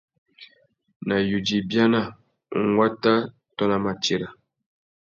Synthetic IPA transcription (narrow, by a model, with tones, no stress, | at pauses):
na˨ju˨d͡ʒi˨bja˦na˦˨ | ŋ˦wa˦ta˦ | tɔ˦na˦ma˨t͡ʃe˨ɾa˨